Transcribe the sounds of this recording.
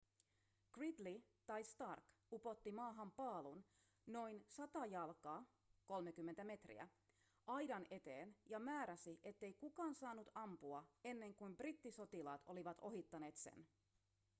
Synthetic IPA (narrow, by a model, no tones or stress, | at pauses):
krid̪li | t̪ɑjst̪ɑrk | upo̞t̪ːimɑːɦɑmpɑːlun | no̞jnsɑt̪ɑjɑlkɑː | ko̞lmekymːent̪æme̞t̪rḭæ̰ | ʔɑjdɑne̞t̪eːnjɑmæːɾæsiʔe̞t̪ːe̞jkukɑːnsɑːnːut̪ɑmpuɑe̞nːe̞ŋkujmbrit̪ːiso̞t̪ilɑːt̪ʰo̞liʋɑt̪ʰo̞ɦit̪ːɑne̞ːt̪sḛn